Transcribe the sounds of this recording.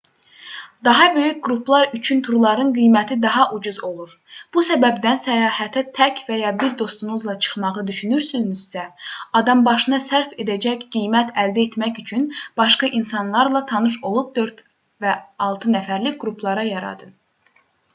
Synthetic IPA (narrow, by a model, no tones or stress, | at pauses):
d̪ɑɦɑbø̞jycɡɾuplˠɑɾyt͡ʃʰynt̪ʰuɾlˠɑɾɯnɡijmæt̪ʰid̪ɑɦɑʔud͡ʒuzo̞lˠuɾ | b̥usæbæbd̪ænsæjɑːhæt̪ʰæt̪ʰæcvæjɑbiɾd̪o̞st̪unuzlˠɑt͡ʃʰɯ̥χmɑʁɯd̪yʃynyɾsynyzsæɑd̪ɑmbɑʃɯnɑsæɾfe̞d̪æd͡ʒæçɡ̥ijmæt̪ʰæld̪æet̪mæçyt͡ʃʰynb̥ɑʃkɑʔinsɑnlˠɑɾlˠɑt̪ʰɑnɯʃ̬o̞lˠup̚d̪ø̞ɾt̪ | væɑlˠt̪ʰɯnæfæɾliɡɾupʰlˠɑɾɑjɑɾɑ̰d̪ɯn